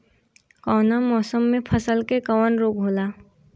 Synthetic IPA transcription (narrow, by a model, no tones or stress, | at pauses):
kɔːnamɔːsəmːẽpʰəsəlkekɔwənɾoːk̚bʱoːlaː